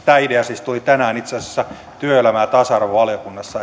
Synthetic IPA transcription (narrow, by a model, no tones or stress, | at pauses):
t̪æːideɑsist̪ulit̪ænæːnit̪sese̥sːæ | t̪yøelæmæːt̪ɑsɑrʋoʋɑlijokunːɑsːɑ